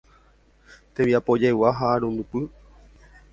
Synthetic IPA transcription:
t̪ẽmjapod͡ʒewaɦaɾũnd̪upɨ

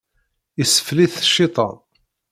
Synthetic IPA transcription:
isə̥fliθʃːɪt̪ˤɑ̰n

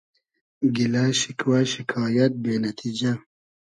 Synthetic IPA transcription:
ɡilaʃɪkwaʃikʰɑːjat̪̚beːnat̪ʰid͡ʒa

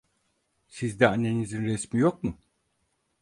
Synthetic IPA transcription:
sizd̪ɛanːe̞nizinɾɛsmijok̚mʊ

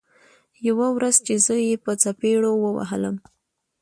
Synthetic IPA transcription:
jawawɾaz̥t͡ʃezəjepət͡sapeɽowəwa̰ɦə̰ləm

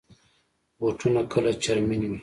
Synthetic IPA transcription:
woʈʰunakʰəlat͡ʃaɾminin

